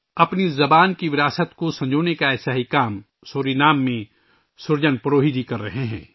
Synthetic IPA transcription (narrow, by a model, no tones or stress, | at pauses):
ɐpnizɐbaːnkiʋɪɾaːsət̪kosɐ̃ɲd͡ʒoːnekaɛːsaːɦikaːm | soːɾinaːmːẽ | sʊɾd͡ʒənpɐɾoːɦid̪ikɐɾːɐɦeɦɛ̃ː